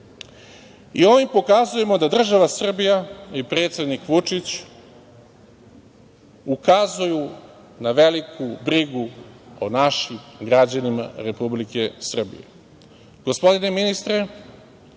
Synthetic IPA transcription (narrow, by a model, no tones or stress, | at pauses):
ḭo̞ʋimpo̞kazuje̞mo̞d̪ad̪r̩ʒaʋasr̩bijaipɾe̞ːt̪sʲje̞d̪nikʋut͡ʂit͡ɕ | ukazuju | naʋe̞likʰubɾiɡuonaʃimɡɾad͡ʑanima̰ɾe̞publike̞sr̩bḭje | ɡ̥o̞spo̞d̪ine̞minist̪ɾe